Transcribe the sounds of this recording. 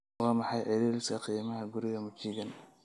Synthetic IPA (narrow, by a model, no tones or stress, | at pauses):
wɑːmɑħɑjʕɛðɛlɪsɐqiːmɐɦɐɡʊɾɪɣɐmʊt͡ʃiːɡɐn